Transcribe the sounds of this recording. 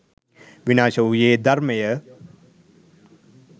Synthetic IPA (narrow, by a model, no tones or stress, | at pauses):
ʋinaːʃɐujeːd̪ɐɾmejə